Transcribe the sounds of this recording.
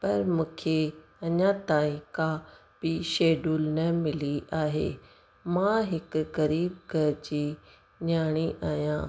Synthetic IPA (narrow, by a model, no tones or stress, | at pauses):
pɐɾmũːkʰeɐɲãt̪aːĩkabiʃeːɖuːlnɐmɪliʔaːɦḛː | mãɦɪkɣɐɾiːb̚ɡɐɾd͡ʑiː | ɲaːɽ̃iʔaːɦijã̰ː